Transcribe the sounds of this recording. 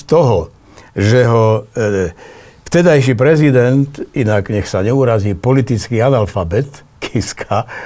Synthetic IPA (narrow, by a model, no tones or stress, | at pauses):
t̪ɔɦɔ | ʒɛɦɔ | ft̪ɛd̪ajʃ̬ipɾɛzid̪ɛnt̪inaɡɲɛxsaɲɛuɾaziːpɔlit̪it͡skiːanalfabɛt̪ | kʰɛskʰa